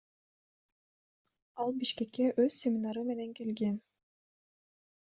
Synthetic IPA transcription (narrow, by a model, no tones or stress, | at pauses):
ɑlˠbiʃkekːeʔøz̥sʲemʲinɑɾɯme̞neŋkelɡen